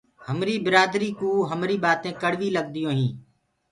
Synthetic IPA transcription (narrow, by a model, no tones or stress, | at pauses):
həmɾiːbɪɾaːd̪ɾiːkũːɦəmɾiːɓaːt̪ẽːkəɽʋiːləɡ̚d̪ɪjõːɦĩː